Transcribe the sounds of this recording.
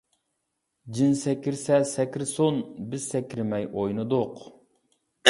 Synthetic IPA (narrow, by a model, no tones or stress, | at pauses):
d͡ʒinsɛkʲiɾsɛsɛkʲɾsonbɪzsɛkʲɾmɛjʔojnɨd̪ʊq